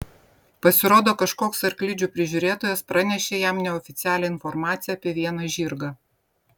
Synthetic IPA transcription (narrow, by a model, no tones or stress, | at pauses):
pɐsʲɪɾoːd̪oːkɐʃkoːksɐɾklʲɪd͡ʒʲuːpʲɾʲɪʒʲʊːɾʲeːt̪oːjɛspɾɐnʲɛʃʲeːjæmnʲɛɔfʲɪt̪sʲæːlʲɛɪnfɔɾmɑːt̪sʲɪjɛːpʲiɛʋʲiɛnɐʒʲiːɾɡɐː